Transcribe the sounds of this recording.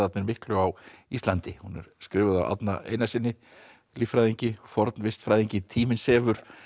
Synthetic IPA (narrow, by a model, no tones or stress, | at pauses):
at̪nɪɾmɪhklʏawist̪lant̪ɪhunɛ̰ɾ̥skɾɪːvʏða̰wʔa̰t̪na̰ḛːjnasɪnːɪ | lifɾajðiɲcɪfɔɾt̪nvɪst̪fɾaːjðiɲcɪt̪ʰiːmɪnsɛːvʏɾ̥